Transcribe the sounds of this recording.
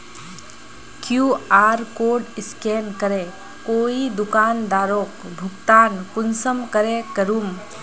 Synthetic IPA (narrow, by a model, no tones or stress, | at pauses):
kjuaːɾkoːɖɪskeːnkəɾe | koːid̪ʊkaːnd̪aːɾoːkbʱʊkt̪aːnkʊnsəmkəɾekəɾuːm